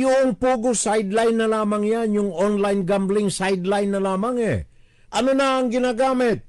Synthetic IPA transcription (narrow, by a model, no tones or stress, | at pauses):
jʊʔoŋpuːɡosajd̪lajnːɐlaːmɐŋjanjʊŋʔonlajnɡamblɪŋsajd̪lajnːɐlaːmaŋɛ̰ | ʔɐnonɐɐŋɡɪnaːɡaːmɪt̪̚